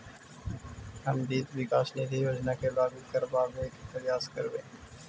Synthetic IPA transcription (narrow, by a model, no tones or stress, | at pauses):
ɦəmd̪iːt̪ʋɪkaːʃned̪ʰijoːd͡ʒnakebaːbɪd̪kɐɾbaːbeːket̪əɾjaːskəɾbẽː